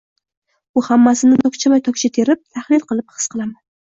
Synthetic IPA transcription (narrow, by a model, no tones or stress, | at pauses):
ʊhamːasɪnɪt̪ʰɒkʲt͡ʃʰamajt̪ʰɒkʲt͡ʃʰat̪ʰe̞ɾɪp̚t̪ʰaχlɪlqʰɨlˠɪp̚hɨ̥sqɨlˠaman